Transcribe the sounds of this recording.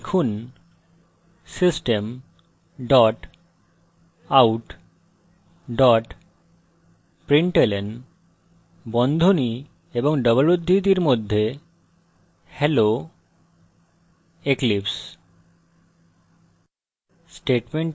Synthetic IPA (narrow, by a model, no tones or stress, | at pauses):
kʰun | sisʈem | ɖɔʈ | awʈ | ɖɔʈ | pɾiɳʈelen | bɔnd̪ʱoni | eboŋɖəβolod̪ʱːit̪iɾmod̪ʱːe | hɛlo | eklips | sʈeʈmeɳ